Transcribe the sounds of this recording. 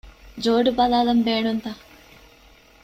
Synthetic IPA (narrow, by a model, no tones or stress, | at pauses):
d͡ʒoːɖubɐlaːlɐmbeːɳunt̪a